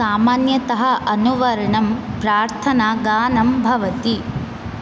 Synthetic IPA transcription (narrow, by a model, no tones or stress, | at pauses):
aːmaːnjɐt̪ɐɦɐʔɐnuʋɐɾɐɳɐmpɾaːɾt̪ʰɐnaːɡaːnɐmbʱɐʋɐt̪i